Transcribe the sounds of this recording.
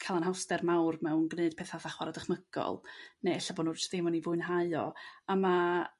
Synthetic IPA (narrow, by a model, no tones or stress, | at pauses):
kʰalˠanɦawstɛrmawrmɛwnɡneɨd̥pʰeːθaθaχwaɾadəχməɡ̥ɔ̰lˠneɛɬaboːnurt͡ʃðɪmɔnivʊɨnɦaɨɔ̰ama